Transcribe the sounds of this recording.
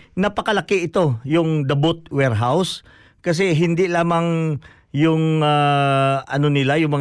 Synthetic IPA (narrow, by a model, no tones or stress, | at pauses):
nɐpɐkɐlɐkɪʔɪt̪o̞jʊŋd̪ɐbot̪̚wɛɹɦaws | kɐs̬ɛɦɪnd̪ɪlaːmaŋ | jʊŋa | ɐnonɪlajʊŋmɐŋ